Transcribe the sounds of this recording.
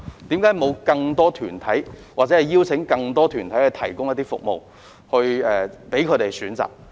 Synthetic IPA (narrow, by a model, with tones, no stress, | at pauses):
t̪iː˨˥mkaː˨˥jmo˨˧wkɐ˧ŋt̪ɔː˥t̪ʰyː˨˩nt̪ʰɐ˨˥jwaː˨k̚t͡sɛː˨˥ɐ˨jiː˥wt͡sʰɪ˨˥ŋkɐ˧ŋt̪ɔː˥t̪ʰyː˨˩nt̪ʰɐ˨˥jhɵ˨˧t̪ʰɐ˨˩jkʊ˥ŋjɐ˥t̪iː˥fʊ̰˨k̚mo̰˨w | hɵ˧ɥɛː˨pe˨˥jkʰɵ˨˧t̪e˨jsyː˨˥nt͡sa̰ː˨k̚